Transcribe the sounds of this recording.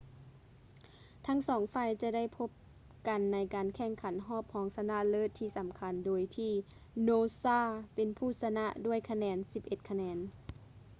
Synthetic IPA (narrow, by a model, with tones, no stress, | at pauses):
t̪ʰa˧˥ŋsɔː˨˦ŋfaː˧˩jt͡ɕa˧˦da˥˨jpʰo˧˥p̚ | ka˨nːa˧˥jkaː˨nkʰɛ˧˩ŋkʰa˨˦nɦɔː˥˩p̚hɔː˨˦ŋsa˧na˧˥˨lɤː˧˥˩t̪ʰːiː˧˩sa˨˩˦mkʰa˨˧˦ndoː˨jt̪ʰiː˧˩ | noː˧saː˧˥˩pe˨npʰuː˧˩sa˧na˧˥ʔdu˥˩əjkʰa˧nɛː˨˧nsi˨˧˦p̚ʔe˧t̪̚kʰa˧nɛː˨˧n